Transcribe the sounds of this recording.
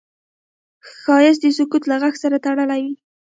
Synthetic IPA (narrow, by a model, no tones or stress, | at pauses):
xɑjɪs̬d̪əsʊkut̪laɣaxsaɾat̪aɽəlawi